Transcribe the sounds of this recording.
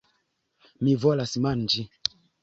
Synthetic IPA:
mivolasmand͡ʒi

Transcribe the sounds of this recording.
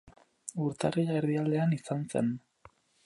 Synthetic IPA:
uɾt̪ariʎaeɾðiald̪e̞anisanse̞̰n

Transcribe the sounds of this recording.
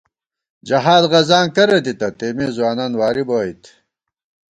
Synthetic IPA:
d͡ʑɐɦaːd̪ʁɐzaːŋkɐɾet̪it̪ɐt̪eːmeːzuwaːnaːnwaːɾiboːit̪

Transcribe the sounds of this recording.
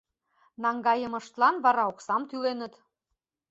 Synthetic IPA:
nɑŋɡɑjə̆mɤ̆ʃt̪lɑnβɑɾɑoksɑmt̪ylenə̆t̪

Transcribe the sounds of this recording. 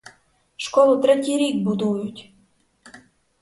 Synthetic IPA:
ʃkolˠut̪ɾet̪ʲiɾʲik̚bud̪ujut̪ʲ

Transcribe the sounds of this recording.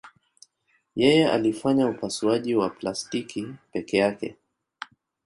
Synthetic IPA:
jɛjɛa̰lifaɲaupasuaʄiwaplastikʰipɛkɛjakɛ̰

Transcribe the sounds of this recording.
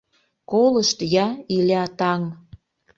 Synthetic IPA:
koləʃt̪jɑilʲɑt̪ɑŋ

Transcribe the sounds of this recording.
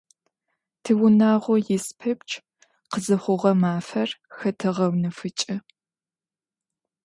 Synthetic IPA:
tʰɨwʊnaːʁʷɔjɪspʰɐp̚t͡ʃʰʼ | qəzɐχʷʊʁɐmaːfɐrxɐtʰɐʁɐwnɨfɨt͡ʃʼɪ

